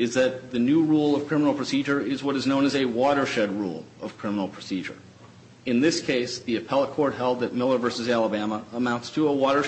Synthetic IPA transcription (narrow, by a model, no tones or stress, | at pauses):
ɨzðɨt̪̚ðɨnʉɹulˠʌv̥kʰɹ̥ɪ̃mən̩l̩ˠpʰɹ̥ɨsid͡ʒə˞ɪzwʌɾɨznõʊ̃nɨzɨwɔɾə˞ʃɛd̚ɹṵlˠ | ʌv̥kʰɹ̥ɪ̃mənl̩ˠpʰɹ̥ɨsid͡ʒə̰˞ | ɨ̃nðɪskʰeɪsðiɨpʰɛlˠəkʰɔɹt̚ɦɛlˠd̪̚ðɨt̚mɪlˠə˞vɜ˞sɨzælˠəbæməəmãʊ̃ntstʰəəwɔɾə˞